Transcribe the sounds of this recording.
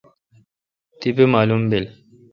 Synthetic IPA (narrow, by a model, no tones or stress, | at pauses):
t̪ibemaːlumbel